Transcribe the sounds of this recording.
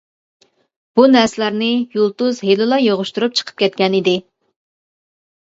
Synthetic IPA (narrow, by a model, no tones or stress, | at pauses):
b̥unɛɾsɪlæɾnɪjulˠt̪uzɦelɪlˠɑjoʁʊʃt̪uɾup̚t͡ʃʰə̥qʰə̥p̚kʲʰɛt̪̚kʲɛnid̪ɪ